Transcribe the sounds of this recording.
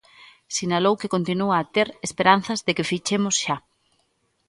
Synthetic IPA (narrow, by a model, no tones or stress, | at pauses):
sinalowkekont̪inuaːt̪eɾespeɾan̟θɐzðekɪfit͡ʃemʊsʃa